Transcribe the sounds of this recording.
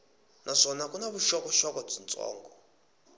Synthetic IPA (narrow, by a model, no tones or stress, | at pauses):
nʔaʂɔnakunaβuʃɔkɔʃɔkɔb͡ʐint͡sʼɔ̰ːŋɡɔ